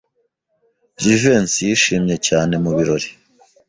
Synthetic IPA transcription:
ɟive̞ːnsijiʃiːmɲe̞caːne̞muβiɾo̞ɾi̥

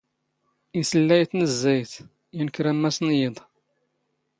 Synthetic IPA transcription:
isəlːæjθnəzːæjθ | jinəkɾæmːæsnjed̪ˤ

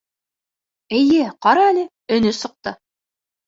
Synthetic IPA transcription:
ɘ̆jɘqɑɾɑælɘ | ɵ̆nɵsɤ̆q̚t̪ɤ

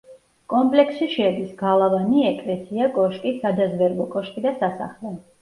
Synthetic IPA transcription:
kʼɔmpʼlɛksʃiʃɛɛd̪isɡalˠavaniɛkʼlɛsʰiakʼɔʃkʼisad̪azvɛɾvˠɔkʼɔʃkʼid̪asasa̰χlɛ

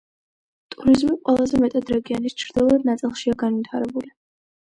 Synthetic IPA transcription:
t̪ʼuɾizmiqʼwɛlˠazɛmɛt̪ʼad̪ɾɛɡianist͡ʃʰɾd̪ilˠad̪̚nat̪sʼilˠʃiaɡanvit̪ʰaɾɛbuli

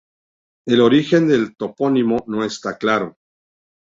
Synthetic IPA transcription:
e̞lo̞ɾixe̞nd̪e̞lt̪o̞po̞nimo̞no̞e̞st̪aklaɾo̞

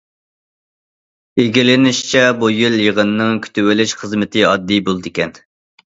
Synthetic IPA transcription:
eɡʲilɪnɪʃt͡ʃʰɛbujiljəʁənːɨŋkʲʰy̥t̪ʰywɪlɪʃχəzmɨt̪ʰɨɑd̪ːijbolˠd̪ɪkʲɛn

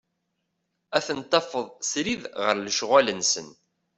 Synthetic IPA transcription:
æθənt̪ˤːɑfəðˤsɾiðʁəɾləʃʁælənsə̰n

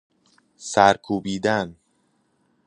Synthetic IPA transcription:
sæɾkʰuːbiːd̪æn

